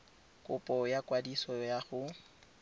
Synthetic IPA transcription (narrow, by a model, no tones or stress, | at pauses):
kʼʊpʼɔjakwadisɔjaχʊ